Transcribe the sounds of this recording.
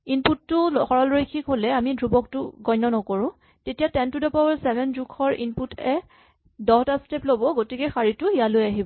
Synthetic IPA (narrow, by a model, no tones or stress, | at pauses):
inputːʊxɔɹɔlɹojkʰikɦolɛamidɹubɔk̚tʊɡɔjnːɔnɔkoɹʊ̃ | tetijatɛntudɔpabɔɹsɛbʱɛnzukʰɔɹḭnputʰɛ | dɔtasteplobɔɡotikɛxaɹitʊhijalojaɦibɔ